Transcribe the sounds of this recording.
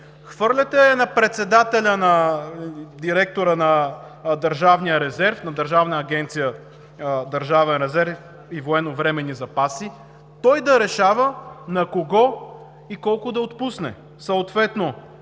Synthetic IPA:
xv̥ɤɾlʲɐt̪ɛnɐpɾɛt̪sɛd̪at̪ɛlʲənɐ | d̪iɾɛk̚t̪oɾənɐ | d̪əɾʒavnijəɾɛzɛɾfnɐd̪əɾʒavnəːɡɛnt̪sijə | d̪əɾʒavɛnɾɛzɛɾf | ivoɛnovɾɛmɛnizɐpasi | t̪ɔjd̪ɐɾɛʃavənɐkoɡɔ | ikɔlˠkʊd̪ɐot̪pusnɛ̰ | səot̪vɛt̪no

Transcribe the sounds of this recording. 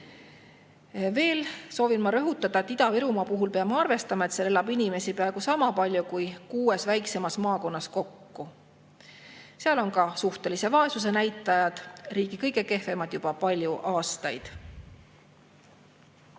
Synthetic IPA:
ve̞ːlso̞ːvinmɑɾø̞ɦut̪ˑːɑd̪̥ɑe̞t̪ːid̪ɑviɾumɑpuɦulpeɑmɑɑrve̞st̪ɑmɑe̞t̪selelɑbinʲime̞sipɑeɡ̥usɑmɑpɑlʲjukujkuːe̞svæjkse̞mɑsmɑːko̞nːɑsko̞kːu | seɑlo̞nkɑsuht̪e̞lise̞vɑe̞sus̬e̞næjt̪ːˑɑjɑd̪̥riːɡ̥ikɤjɡe̞ke̞hve̞mɑt̪jub̥ɑpɑlʲjuʔɑːst̪ɑjd̪̥

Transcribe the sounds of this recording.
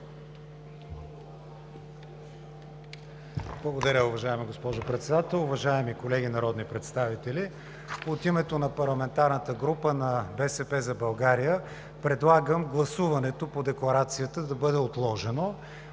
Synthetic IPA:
blˠɐɡod̪ɐɾʲəʊvɐʒaɛmiɡospɔʒopɾɛt̪sɛd̪at̪ɛlˠʊvɐʒaɛmikolɛɡʲinɐɾɔd̪nipɾɛt̪st̪avit̪ɛli | ot̪imɛt̪onɐpɐɾlˠɐmɛnt̪aɾnət̪əɡɾupənɐbɛsɛpɛzɐbɐlˠɡaɾijə | pɾɛd̪lˠaɡəmɡlˠɐsuvɐnɛt̪opod̪ɛklˠɐɾat̪sijət̪əd̪ɐbɤd̪ɛot̪lˠɔʒɛno

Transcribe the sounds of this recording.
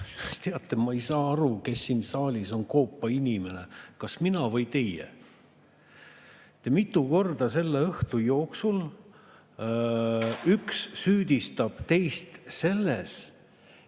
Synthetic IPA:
sst̪eɑt̪ːˑemɑejsɑːɑɾuke̞sːiːnsɑːlʲiso̞nko̞ːpːɑinʲime̞ne̞kɑsminɑvɤjt̪e̞jḛ | t̪e̞mit̪ːˑuko̞rd̪̥ɑse̞lːeɤht̪ujo̞ːksul | yksːyːd̪ist̪ɑb̥t̪e̞jst̪se̞lːes

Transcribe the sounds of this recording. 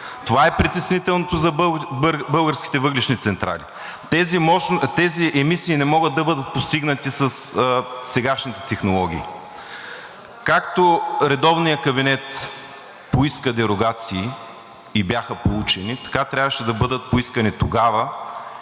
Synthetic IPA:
t̪ovaɛpɾit̪ɛsnit̪ɛlˠnot̪ozɐbbɤlˠɡəɾskʲi̥t̪ɛvɤɡliʃnit̪sɛnt̪ɾʔa̰lḭ | t̪ɛzimɔt̪ɛziʔɛmisiːnɛmɔɡəd̪̚d̪ɐbɤd̪ət̪̚post̪iɡnət̪isɐssɛɡaʃnit̪ɛ̥t̪ɛxnolˠɔɡʲḭː | kakt̪oɾɛd̪ɔvnijəkɐbinɛt̪ | poiskəd̪ɛɾoɡat̪siː | ibʲjaxəpolˠut͡ʃɛnit̪ɐ̥kat̪ɾʲabvəʃɛd̪ɐbɤd̪ət̪̚poiskənit̪oɡavə

